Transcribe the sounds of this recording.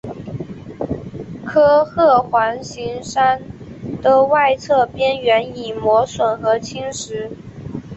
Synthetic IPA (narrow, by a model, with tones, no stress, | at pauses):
kʰɤ˥xɤ˥˩xwa˧˥nɕi˧˥ŋʂa˥nt̪ə˧˥wa˥˧ɪt͡sʰɤ˥˧pjɛ˥nɥɛ˧˥ni˨˩mwɔ˧˥swə˨˩nxɤ˧˥t͡ɕʰi˥ŋʂɻ̩˧˥